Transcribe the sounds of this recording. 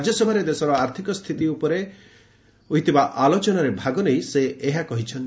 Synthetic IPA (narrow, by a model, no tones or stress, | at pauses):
d͡ʒjɔsɔbʱaɾed̪esɔɾɔaɾt̪ʰikɔst̪ʰit̪iupɔɾe | uɦit̪ʰibaʔalot͡ʃɔnaɾebʱaɡɔnejseeɦakɔɦit͡ʃʰɔn